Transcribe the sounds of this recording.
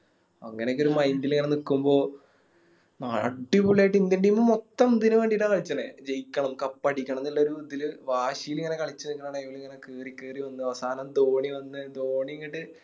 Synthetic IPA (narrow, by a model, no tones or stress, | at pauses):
ɐŋːɐnekːo̞ɾumɐjndiliŋːɐne̞nikːumbo̞ː | naːɭɐ̰ʈːibuɭeːʈːind̪iɳɖimːomot̪ːɐmd̪inɨʋe̞ːɳɖiʈːaːŋkɐɭit͡ɕːɐnḛd͡ʑejkʲːɐɳɐmkɐpːɐɽikʲːɐɳɐmnilːɐoɾuud̪ʱːilʋaːɕijiliŋːɐne̞kɐɭit͡ɕːɨkːɐnaːɳɐjʋiliŋːɐnekeːrikeːriʋɐnːɨɐʋɐsaːnɐmd̪o̞ːɳiʋɐnːɨd̪o̞ːɳiŋːiʈːɨ